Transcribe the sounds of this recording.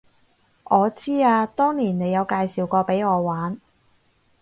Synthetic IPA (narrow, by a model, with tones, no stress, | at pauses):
ʔɔː˨˧t͡siː˥aː˧t̪ɔː˥ŋliː˨˩nne˨˧jɐ˨˧wkaː˧jsiː˨wkɔː˧pe˨˥jŋɔː˨˧waː˨˥n